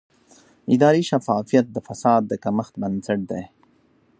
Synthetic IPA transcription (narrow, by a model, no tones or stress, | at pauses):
ɪd̪ɑːɾiʃafɑːfijat̪̚d̪əfɐsɑːd̪ːəkaməxt̪̚bənsɐʈ̚d̪ej